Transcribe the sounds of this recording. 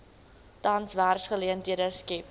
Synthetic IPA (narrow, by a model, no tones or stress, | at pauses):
tɐnsværsχəliəntɦiədəskip